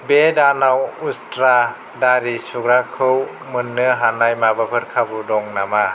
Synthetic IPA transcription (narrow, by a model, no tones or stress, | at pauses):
bedanawustɾa | daɾisuɡɾakʰɯw | mɯnːɯɦanajmabapʰɯɾkʰabudɔŋnama